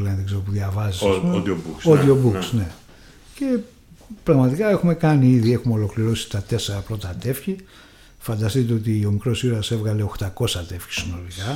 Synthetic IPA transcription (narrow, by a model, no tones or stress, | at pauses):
lɐnðeɡze̞ɾopuðʝɐvɐzisɐsuobukoiobuksne̞ | ce̞ | pɾɐɣmɐt̪ikɐe̞xume̞kɐniiðie̞xumeo̞lo̞kliɾo̞si̥t̪ɐt̪e̞se̞ɾɐpɾo̞t̪ɐt̪e̞fçi | fɐnd̪ɐst̪it̪̬eot̪iomikɾo̞siɾɐse̞vɣɐle̞o̞xt̪ɐko̞sɐt̪e̞fçi̥sino̞likɐ